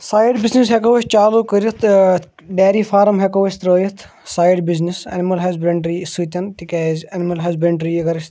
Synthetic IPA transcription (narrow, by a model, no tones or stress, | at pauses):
saːjɖbiznisɦekɐʋɐt͡ʃt͡ʃaːluːkəɾit̪ʰ | ɖeːɾiːfaːɾmɦɐkɐʋɐʃt̪ɾoːjit̪ʰ | saːjɖbiznisɐ̰nmɐlɦɐzbɾɐɳɖɾisut̪ʲɐnt̪ikaːzʲɐnmɐlɦɐzbɾeɳɖɾiːikɐɾist̪